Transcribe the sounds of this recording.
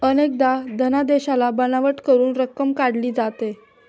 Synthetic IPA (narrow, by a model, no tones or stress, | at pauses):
ənek̚d̪ad̪ʱənad̪eɕalabənaʋəʈkəɾuːnɾəkːəmkaɽliːd͡zat̪e